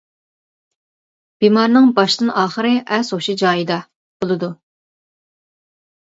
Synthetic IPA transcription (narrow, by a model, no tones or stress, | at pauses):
b̥imɑɾnɨŋbɑʃd̪ɨnɑːχəɾɨʔɛsoʃid͡ʒɑːjid̪ɑ | b̥olˠɨd̪u